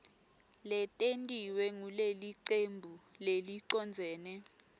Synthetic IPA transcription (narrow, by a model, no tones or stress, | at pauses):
lɛtʼentʼiwɛŋuleliǀembʱuleliǀɔnd͡zʱɛːnɛ